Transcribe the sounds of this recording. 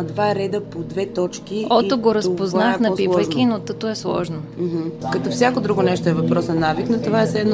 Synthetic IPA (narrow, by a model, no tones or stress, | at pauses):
d̪vaɾɛd̪əpod̪vɛt̪ɔt͡ʃkiɔt̪oɡoɾəspoznaxnɐpiəkinot̪ɤt̪oɛslˠɔ̰ʒnom̩ɦ̩kɐt̪ɔfsʲjakod̪ɾuɡonɛʃt̪oɛvɐpɾɔsnɐnaviknot̪ovaɛsɛd̪n